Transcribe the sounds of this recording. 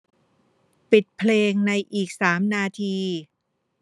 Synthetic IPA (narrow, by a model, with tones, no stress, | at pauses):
pi˨˩t̪̚pʰleː˧ŋna˧jʔiː˨˩k̚saː˩˦mnaː˧t̪ʰiː˧